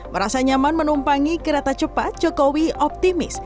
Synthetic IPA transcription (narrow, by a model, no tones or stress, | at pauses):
məɾasaɲamanmənumpaŋikəɾat̪at͡ʃəpat̪̚d͡ʒ̥ɔkowiʔɔp̚t̪imɪ̰s